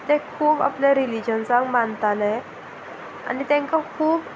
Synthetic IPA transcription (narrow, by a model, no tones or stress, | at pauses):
t̪ɛ̃kʰuːba̰pljaɾilid͡ʑənsãŋɡmãnt̪alɛ̃ | a̰nit̪ɛ̃ŋkakʰuːb